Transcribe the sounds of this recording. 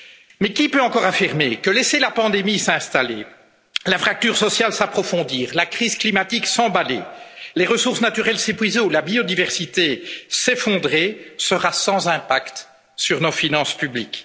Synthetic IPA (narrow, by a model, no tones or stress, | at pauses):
mɛkʲipøɑ̃kɔʁafiʁmekəlɛselapɑ̃d̪emisɛ̃st̪alḛ | lafχak̚t̪yʁsɔsjalsapχɔfɔ̃d̪iːʁlakχiz̥klimat̪iksɑ̃balḛleʁəsuʁsnat̪yʁɛlsepɥizeulabiod̪ivɛʁsit̪esefɔ̃d̪ʁesəʁasɑ̃zɛ̃pakt̪ | syʁnɔfinɑ̃spyblik